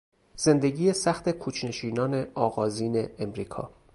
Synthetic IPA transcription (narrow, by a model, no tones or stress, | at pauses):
z̥e̞nd̪e̞ɟiːjesæxt̪ʰe̞kʰuːt͡ʃʰne̞ʃiːnɒːne̞ɒːɣɒːziːne̞ːmɾiːkʰɒ̰ː